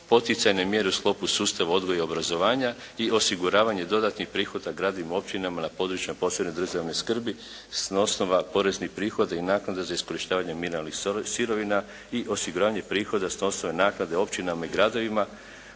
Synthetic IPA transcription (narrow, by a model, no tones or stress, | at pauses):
po̞t̪it̪sajne̞mje̞ɾeusklˠo̞pusuːst̪aʋao̞d̪ɡo̞jeo̞bɾazo̞ʋaːɲa | io̞siɡuɾaːʋaɲe̞d̪o̞d̪at̪nixpɾiːxo̞d̪aɡɾaːd̪oʋimo̞p̚t͡ɕinamanapo̞d̪ɾut͡ʃapo̞sened̪r̩ʒaʋnojskr̩bi | snosno̞ʋapo̞ɾe̞znixpɾiːxo̞d̪ainaːknad̪azaisko̞ɾiʃt̪aːʋaɲe̞minalnixsiɾo̞ʋina | iʔo̞siɡuɾaːʋaɲe̞pɾiːxo̞d̪asno̞sno̞ʋe̞naːknad̪e̞o̞pt͡ʃinamaiɡɾad̪o̞ʋima